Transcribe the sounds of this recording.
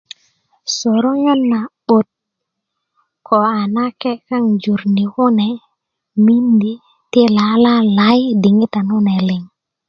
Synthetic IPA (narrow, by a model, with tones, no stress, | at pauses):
so˨ɾo˦ɲa˦nːa˨ɓo˨t̚ | kʰo˨a˨na˦kɛ˦ka˦ŋd͡ʒu˨ɾni˨ku˦nɛ˨ | mi˦ndi˨ | ti˦la˨la˦la˨˦jdi˨ŋi˦t̪a˨nu˦nɛ˨lɪ˨ŋ